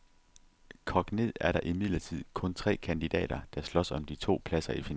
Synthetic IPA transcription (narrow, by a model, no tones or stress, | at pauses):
kʰɒ̽ɡ̥ne̝ð̰ˠæɐɾɑ̈ʔimið̞̰ˠlɐt͡sʰið̞̰ˠkʰɔ̽nt͡sʰʁɛ̰ːkʰænd̥id̥ɛ̰ːɾ̥ɐd̥ɑ̈slɒ̽sɒ̽md̥it͡sʰo̝̰ːpʰlæsɐifi